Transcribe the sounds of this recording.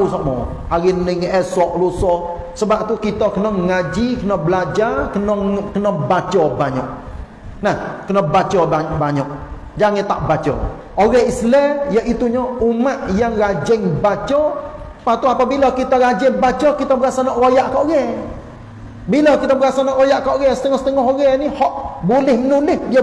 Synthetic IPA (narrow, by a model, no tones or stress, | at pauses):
usamɔ̰ | aɾinɪŋɛsɔʔlusɔ | səbap̚t̪ukit̪ɔkənɔŋŋad͡ʒikənɔblad͡ʒarkənɔŋkənɔbat͡ʃɔbaɲɔ̰ʔ | nahkənɔbat͡ʃɔabaɲɔʔ̚ | d͡ʒaŋɪt̪aʔbat͡ʃɔ̰ | oɾɛhislɛjəʔit̪uɲɔumaʔjaŋrad͡ʒɪŋbat͡ʃɔ | pat̪uapabilɔkit̪ɔɾad͡ʒɪŋbat͡ʃɔkit̪ɔbəɾasanɔʔwojaʔkɔʔɣɛ | bilɔkit̪ɔbəɾasanɔʔwojaʔkɔʔɣɛsə̥t̪əŋɔhsə̥t̪əŋɔɦoɣɛnihɔʔbulɪhmənulɪhdiə